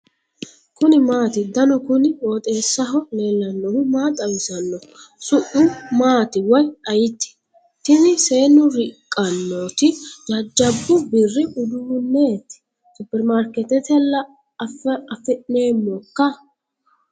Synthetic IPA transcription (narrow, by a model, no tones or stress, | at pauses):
kʊnɪmaːt̪ɪd̪ɐnʊkʊnɪwoːt̪ʼe̞ːsːɐɦɔle̞ːlːɐnːɔhʊmaːt̪ʼɐwɪsɐnːɔsʊʔʊmaːt̪ɪwɔjɐjɪt̪ːɪ̥ | t̪ɪnɪseːnːʊɾɪkʼːɐnːoːt̪ɪd͡ʒɐd͡ʒːɐbːʊbɪrːɪʔʊd̪uːnːeːt̪ɪ̥ | sʊbɛɾmaɾkɛt̪ɛt̪ɛlːɐ | fɛɐfɛʔneːmːɔkːɐ